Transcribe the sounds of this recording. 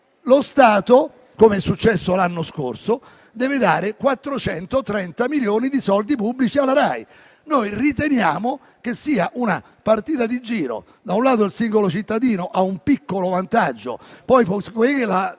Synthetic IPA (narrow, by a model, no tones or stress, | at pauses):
lost̪aːt̪o | komeɛsːut͡ʃːɛsːolanːoskorso | d̪ɛːved̪aːɾekwat̪ːɾot͡ʃɛnt̪ot̪ɾɛnt̪amiljoːnid̪isɔld̪ipubːlit͡ʃialaɾaj | nojrit̪enjaːmo | k̟esːiːaʔuna | part̪iːt̪ad̪id͡ʒiːɾo̰ | d̪aunlaːt̪oelsiŋɡolot͡ʃit̪ːad̪iːnoʔaumpikːolovant̪ad͡ʒːo̰pɔjpɔskwekela